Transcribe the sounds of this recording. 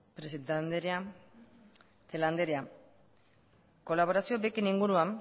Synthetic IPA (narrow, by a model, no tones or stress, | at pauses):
pɾesɾa | θeland̪eɾea | ko̞laβo̞ɾasiobekiniŋɡuɾuam